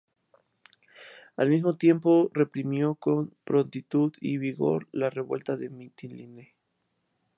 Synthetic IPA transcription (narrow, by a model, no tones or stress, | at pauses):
almizmot̪je̞mpo̞re̞pɾimjo̞kompɾo̞nt̪it̪uðiβiɣo̞̰ɾlare̞βwe̞lt̪aðemit̪iline